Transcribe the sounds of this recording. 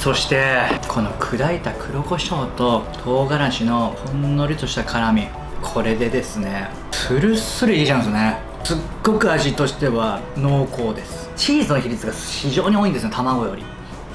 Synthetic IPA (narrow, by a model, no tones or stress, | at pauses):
so̞ɕi̥t̪e̞kʰo̞no̞kʰɯ̟d̪ait̪akʰɯ̟ɾoko̞ɕo̞ːt̪o̞t̪ʰo̞ːɡaɾaɕino̞hõnːo̞ɾʲɯt̪o̞ɕi̥t̪akʰaɾamʲi | kʰo̞ɾe̞d̪e̞d̪e̞sɨne̞ | ɸɯ̟ɾɯ̟sɨɾɯ̟iiʑãsɨne̞ | sɨɡ̥ːo̞kɯ̟aʑit̪o̞ɕi̥t̪e̞βano̞ːko̞ːd̪e̞sɨ̥t͡ɕiːzɨnoçiɾʲit͡sɨɡaçiʑo̞ːɲ̟io̞ːĩnd̪sɨnt̪amaɡo̞jo̞ɾʲḭ